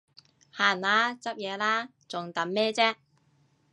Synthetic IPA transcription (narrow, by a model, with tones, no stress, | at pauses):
haː˨nlaː˨˥t͡sɐ˥p̚jɛː˨˧laː˥ | t͡sʊ˨˩ŋt̪ɐ˨˥mmɛː˥t͡sɛː˥